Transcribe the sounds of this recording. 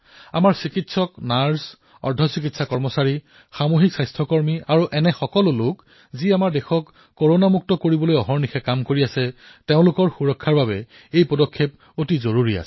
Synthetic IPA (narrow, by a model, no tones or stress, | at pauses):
a̰maɹsikitsɔknaɹs | ɔ̰ɹdʱɔsik̬itsakɔɹmɔsaɹi | xamoɦiksajstʰɔkɔɹmiaɹuʔɛnɛxɔkɔlʊlʊk | ziamaɹdɛxɔkː | oɹonamuk̚tɔkoɹibɔlojɔɦɔɹnixɛkamkoɹiasɛteʊ̃lʊkɔɹxuɹɔkʰːaɹbabɛ | ejpɔdɔkʰːep̚ | otizoɹuɹia̰sɛ̥